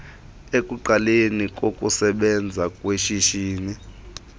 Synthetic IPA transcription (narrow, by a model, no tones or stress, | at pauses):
ekʼuǃalenik̬ʼokʼusɛɓɛnd͡zʱakʼweʃiʃiːni